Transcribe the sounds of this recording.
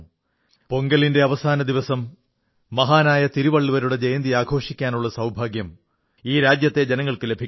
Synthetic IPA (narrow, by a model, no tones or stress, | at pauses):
po̞ŋɡɐlinde̞ɐʋɐsaːnɐd̪iʋɐsɐmː | ɐɦaːnaːjɐt̪iɾuʋɐɭːuʋɐɾuɽe̞d͡ʑejɐnd̪iaːɡʰʱo̞ːʂikʲːaːnuɭːɐsɐwbʱaːɡjɐm | iːɾaːd͡ʑjɐt̪ːe̞d͡ʑenɐŋːɐɭkɨle̞bʱikʲː